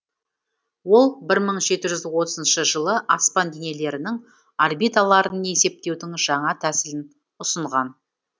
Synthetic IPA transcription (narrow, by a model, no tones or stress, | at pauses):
wo̞lˠbɪɾməɴʒe̞t̪ɪʒʏzwot̪əzənʃəʒəlˠəʔɑspɑnd̪ene̞le̞ɾɪnɪŋ | arbijt̪alˠɑɾəne̞se̞p̚t̪e̞wd̪ɪŋʒɑɴɑt̪ʰæsɪlɪn | ʊsəɴʁɑn